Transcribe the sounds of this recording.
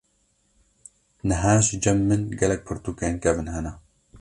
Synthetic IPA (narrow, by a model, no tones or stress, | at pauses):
nɨɦaːʃd͡ʒɐmːɨnɡɛlɛk̚pʰɨɾt̪ukeːnkɛvɨnɦɛnɛ